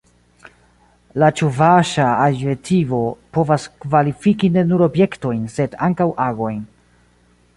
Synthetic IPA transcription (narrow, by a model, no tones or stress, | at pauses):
lat͡ʃuvaʃaaetʰivo̞po̞vaskvalifikine̞nuɾo̞bje̞kto̞jnse̞daŋkawʔaɡo̞jn